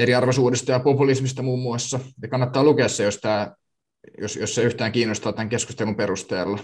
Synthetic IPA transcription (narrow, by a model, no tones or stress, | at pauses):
eɾiɑrʋesuːdist̪ɑjɑpopulismist̪ɑmuːmːuɑsːɑnɑkɑnːɑt̪ːɑːlukeɑsːejost̪æː | jo̰sjosseyht̪æːŋkiːnːost̪ɑːt̪æŋkesku̥st̪elumperust̪eːlːɑ